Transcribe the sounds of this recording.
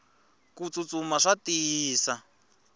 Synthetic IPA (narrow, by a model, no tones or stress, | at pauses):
kut͡sut͡sumaʂatiːsa